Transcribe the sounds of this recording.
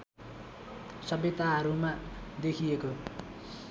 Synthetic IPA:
sʌbjʌt̪aɦʌɾumad̪ekʰijeko

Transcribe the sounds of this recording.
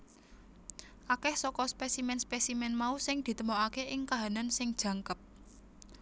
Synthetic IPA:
ʔakɛhsɔkɔspɛsimɛnspɛsimɛnmausɪŋd̪̥i̤t̪əmoakeʔɪŋkaɦanansɪŋd̥ʒ̥ä̤ŋkəp̚

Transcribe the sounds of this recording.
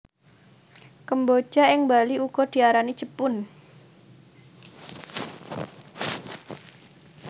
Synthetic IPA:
kəmbod̥ʒ̥a̤ɪŋmbaliuɡ̥ɔd̪̥i̤aɾanid̥ʒ̥əpʊn

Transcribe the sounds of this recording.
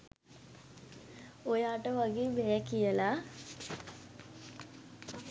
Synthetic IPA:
ojaːʈːɐʋɐɡibejɐkːijɐla

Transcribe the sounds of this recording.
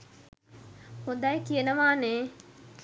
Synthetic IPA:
hʊ̃d̪aːikienɐʋãːne

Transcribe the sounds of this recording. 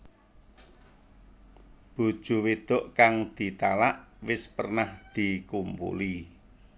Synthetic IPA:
b̥ṳd̥ʒ̥ṳwid̪̥ʊ̤ʔkaŋd̪̥i̤t̪alaʔwɪspərnahd̪̥i̤kumpṵli

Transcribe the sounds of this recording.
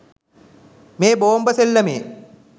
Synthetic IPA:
meːboːmbəselːəmeː

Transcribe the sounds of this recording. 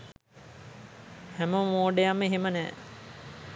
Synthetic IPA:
hæməmoːɖejamːeɦemənɛ̰ː

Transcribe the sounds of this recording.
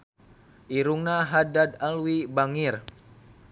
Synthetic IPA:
ʔiɾuŋnaɦadadalwibaŋir

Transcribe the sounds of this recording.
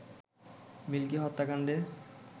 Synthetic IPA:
milkiɦɔt̪ːakaɳɖ̪e

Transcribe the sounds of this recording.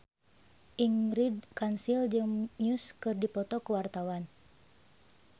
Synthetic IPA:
ʔiŋɾidkansild͡ʒɨŋmiuskɨrdipɔt̪ɔkəwart̪awan

